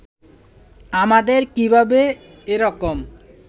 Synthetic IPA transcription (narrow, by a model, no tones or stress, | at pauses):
amad̪eɾkibʱabe | eɾɔkom